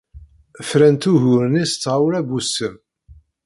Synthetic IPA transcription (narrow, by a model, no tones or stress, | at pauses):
fɾænt̪uʝʊɾənist͡sːʁawɾæbusːəm